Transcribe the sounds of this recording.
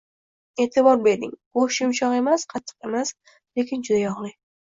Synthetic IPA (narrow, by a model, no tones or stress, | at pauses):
e̞ːt̪ʰɪbɒɾbe̞ɾd̪ɪŋboʃɪmʊt͡ʃʰɒqe̞masqʰɑt̪ʰːɨ̥qe̞mas | le̞kʲɪnd͡ʒʊd̪ajɒʁlˠɪ